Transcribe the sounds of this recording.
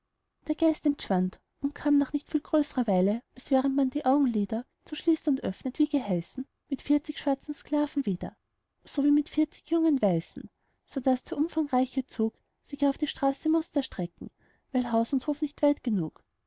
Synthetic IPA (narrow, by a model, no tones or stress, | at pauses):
d̥eːɐɡ̥aɪstɛntʃv̥ant | ʔʊnt̚kʰaːmnaχnɪçtfiːlɡ̥ʁøːsəʁɐvaɪləʔalsv̥ɛːʁəntmand̥iːʔaʊɡŋ̩liːdɐ | t͡suʃliːstʊntʔœ̰fnətv̥iːɡ̥əɦɛsn̩ | mɪtfiɐt͡sɪçʃv̥aɐt͡sn̩skl̥aːvn̩viːdɐ̰ | soviːmɪtfɪɐt͡sɪ̥çjʊŋənvaɪsn̩ | sod̥asd̥eːɐʔʊmfaŋʁaɪçət͡suːk | sɪçaʊfd̥iːʃtʁ̥aːsəmʊstɐʃtʁ̥ɛkŋ̩ | væɪlɦaʊsʊnthoːfnɪçtv̥aɪtɡ̥ənuːk